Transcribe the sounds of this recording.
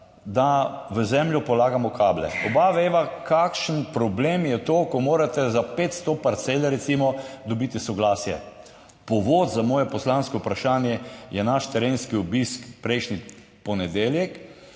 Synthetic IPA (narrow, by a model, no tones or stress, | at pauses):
d̪aʋəzɛmljɔpɔlaːɡamɔkʰaːblɛ̰ɔbaʋeːʋakakʃənpɾɔbleːmjɛt̪oːkɔmoːɾat̪ɛzapeːt̪st̪opaɾt̪selaɾɛt̪simɔd̪ɔbiːt̪isɔɡlaːsjɛ | pɔʋoːt̪zamɔːjɛpɔslaːnskɔupɾaʃaːnjɛjɛnaʃt̪ɛɾeːnskiobiskpɾɛjʃni | pɔnɛd̪eːljɛk